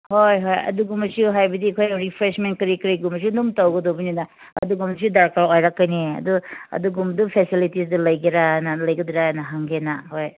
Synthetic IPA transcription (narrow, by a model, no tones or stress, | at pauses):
hojɦojɐ̰duɡumɐsiuɦajbɐdikʰojɾipʰɾesment̚kɾikɾiɡumɐs̬iunumtawɡɐdobinina | ɐ̰duɡumsiudaɾkaɾojɾakːɐjniɐ̰duɐ̰duɡumdupʰesilitis̬dɐlɐjɡiɾanɐlɐjɡɐdiɾanɐɦaŋɡenahoj